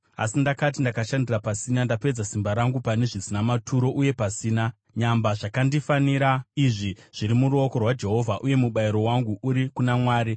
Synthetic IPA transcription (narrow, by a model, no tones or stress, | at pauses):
a̰sindakat̬indakaʃandirapasinandape̞d͡zasimbaɾaŋɡupane̞ʐisinamatʰuɾo̞ʔuje̞pasiːna | ɲambaʐakandifaniɾaiʐiʐ̥iɾimuruo̞ko̞rwad͡ʒe̞ɦo̞vʱaʔuje̞muɓaiɾo̞waŋɡuʔuɾikunamwaːɾi